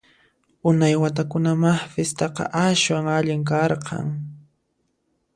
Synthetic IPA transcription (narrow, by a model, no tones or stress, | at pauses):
ʊnajwat̪̬akʊnamaχfest̪ɑqɑ̰ʔaʃwaŋaʎɪŋk̬ɑɾqʰɑ̰ŋ